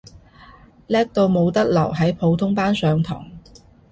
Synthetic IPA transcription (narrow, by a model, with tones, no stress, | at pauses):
lɛː˥k̚t̪o˧wmo˨˧wt̪ɐ˥k̚lɐ˨˩wɦɐ˨˥jpʰo˨˧wt̪ʰʊ˥ŋpaː˥nsœː˨˧ŋt̪ʰɔ̰ː˨˩ŋ